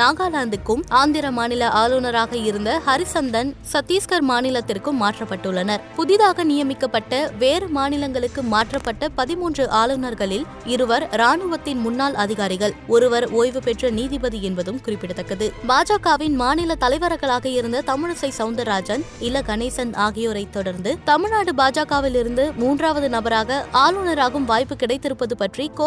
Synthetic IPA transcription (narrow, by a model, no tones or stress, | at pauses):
naːɡaːlaːnd̪ɯkːɯmaːnd̪ɪɾɐmaːnɪlɐʔaːlɯnɐɾaːɣɐɪɾɯnd̪ɐhɐɾɪsɐnd̪ɐnsɐt̪ːiːskɐɾmaːnɪlɐt̪ːɪrkɯmːaːʈrɐpːɐʈːɯɭːɐnɐɾpʊðɪðaːɣɐnɪjɐmɪkːɐpːɐʈːɐʋeːɾɯmaːnɪlɐŋɡɐɭɯkːɯmaːʈrɐpːɐʈːɐpɐðɪmuːndrɯʔaːlɯnɐɾɣɐɭɪl | ɪɾɯʋɐɾɾaːnɯʋɐt̪ːɪnmʊnːaːlɐðɪɣaːɾɪɣɐɭɔɾɯʋɐɾoːjʋɯpɛʈrɐniːðɪbɐðiɛnbɐðɯmkʊrɪpːɪɽɐt̪ːɐkːɐðɯbaːd͡ʒaːkaːʋɪnmaːnɪlɐt̪ɐlɐɪʋɐɾɐɣɐɭaːɣɐɪɾɯnd̪ɐt̪ɐmɪɻɐsɐɪsɐʊnd̪ɐɾaːd͡ʒɐnɪlɐɡɐneːsɐnaːɣɪjoːɾɐɪt̪ːɔɽɐɾnd̪ɯt̪ɐmɪɭnaːɽɯbaːd͡ʒaːkaːʋɪlɪɾɯnd̪ɯmuːndraːʋɐðɯnɐbɐɾaːɣɐʔaːlɯnɐɾaːɣɯmʋaːjpːɯkɪɽɐɪt̪ːɪɾɯpːɐðɯpɐʈrikoː